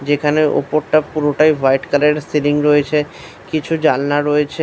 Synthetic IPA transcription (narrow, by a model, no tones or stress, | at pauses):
d͡ʑekʰaneʔo̰poɾʈapuɾoʈajvʱajʈkaleɖseliŋɾoet͡ɕʰe | kit͡ɕʰud͡ʑalnaɾoet͡ɕʰe